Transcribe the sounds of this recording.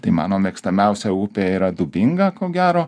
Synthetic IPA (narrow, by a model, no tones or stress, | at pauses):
t̪ɐɪmɑ̰ːnoːmʲɛːkst̪ɐmʲɛʊsʲɛuːpʲeːiːɾɐd̪ʊbʲɪŋɡɐkoːɡʲæːɾoː